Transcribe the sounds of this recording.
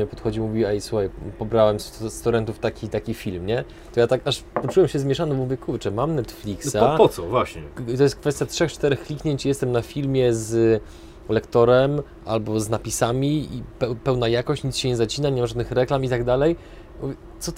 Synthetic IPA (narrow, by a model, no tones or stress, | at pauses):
ɲɛpɔt̪xɔd͡ʑimuvʲiɛjsuxajpɔbɾawɛmsst̪ɔɾɛnt̪uft̪akʲit̪akʲifʲilmɲɛ | t̪ɔjat̪akaʂpɔt͡ʂuwɛmɕɛzmʲjɛʂanɔvuvʲjɛkuvt͡ʂɛmamnɛt̪flʲiksapɔt̪sɔvwaɕɲɛt̪ɔjɛst̪̚kfɛst̪jatʂɛxt͡ʂt̪ɛɾɛxkːlʲikɲeɲt͡ɕjɛst̪ɛmnafʲilmʲjɛz | lɛkt̪ɔɾɛm | ʔa̰lbɔznapʲisamʲiipɛpɛwnajakɔɕt͡ɕɲit̪sɕɛɲɛzat͡ɕinaɲɛmaʐad̪nɘxɾɛklamit̪aɡd̪alɛj | uv | t̪sɔt̪